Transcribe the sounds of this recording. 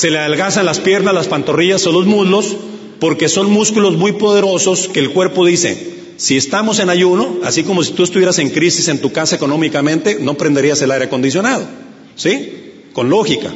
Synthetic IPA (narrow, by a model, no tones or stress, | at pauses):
se̞leðalɣasanlaspje̞ɾnazlaspant̪o̞riʝasonlo̞zmuðlo̞s | po̞ɾke̞so̞nmuskulo̞zmujpo̞ð̞e̞ɾo̞so̞ske̞ːlkwe̞ɾpo̞ðise̞̰ | sie̞st̪amo̞se̞naʝuno̞a̰siko̞mo̞si̥t̪uest̪uβje̞ɾase̞ŋkɾisise̞nt̪ukasaeko̞nõ̞mikamẽ̞nt̪e̞no̞pɾend̪e̞ɾiase̞laɾeako̞nd̪is̬jo̞nað̞o̞̰ | si | ko̞nlo̞xika̰